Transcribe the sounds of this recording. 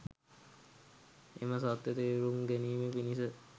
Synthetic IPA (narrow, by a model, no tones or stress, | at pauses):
ḛməsat̪ːjet̪eɾuŋɡeniːmepinisə